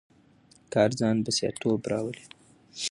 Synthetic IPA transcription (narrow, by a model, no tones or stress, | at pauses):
kɑɾzɑnbəsjɑ̰t̪obɾɑwəli